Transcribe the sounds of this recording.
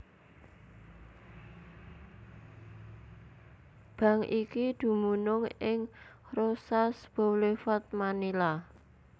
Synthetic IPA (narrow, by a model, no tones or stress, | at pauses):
b̥ä̤ŋʔikid̪̥ṳmunʊŋɪŋ | rosasb̥o̤wlefɔt̪̚manila